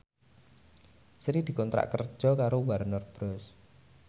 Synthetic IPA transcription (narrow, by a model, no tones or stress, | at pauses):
sɾid̪̥i̤kɔnt̪ɾa̰ʔkərd̥ʒ̥ɔ̤kaɾowaɾnɔrb̥ɾɔs